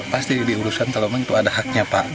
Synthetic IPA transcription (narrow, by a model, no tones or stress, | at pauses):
past̪idiuɾusankalomaŋit̪uadaɦak̚ɲapaʔ